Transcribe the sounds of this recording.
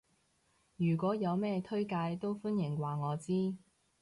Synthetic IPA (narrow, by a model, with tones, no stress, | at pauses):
jyː˨˩kʷwɔː˨˥jɐ˨˧wmɛː˥t̪ʰɵ˥ɥkaː˧jt̪o˥wfʊ˥njɪ˨˩ŋwaː˨ŋɔː˨˧t͡siː˥